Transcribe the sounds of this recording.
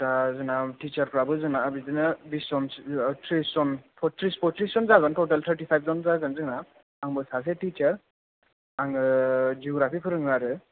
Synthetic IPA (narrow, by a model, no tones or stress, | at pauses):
tazɯnaʈit͡ʃaɾkɾabɯzɯnaabidinɯbiszɔntʰɾiszɔnpʰɔtɾispʰɔtɾiszɔnzaɡɯntɔʈalt̪ʰəɾʈipʰajb̚ʰzɔnzaɡɯnzɯna | aŋbɯsas̬eʈit͡ʃaɾ | aŋɯd͡ʒiɔɡɾapʰipʰɯɾɯŋaɾɯ